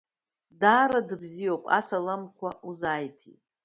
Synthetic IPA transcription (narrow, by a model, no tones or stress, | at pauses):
daːɾadɨbzijopʼa̰salamkʷʰaʔuzajtʰḭtʼ